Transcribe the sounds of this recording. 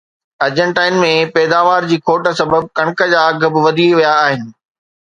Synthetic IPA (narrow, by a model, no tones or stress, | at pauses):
ɐɾd͡ʑə̃ɳʈaːɪnmẽpɛːd̪aːʋaːɾd͡ʑiːkʰoːʈə̆sɐbəb̚kɐɽ̃kəd͡ʑaːɡʱəbʋɐd̪ʱiʋijaːɦɪnɪ̆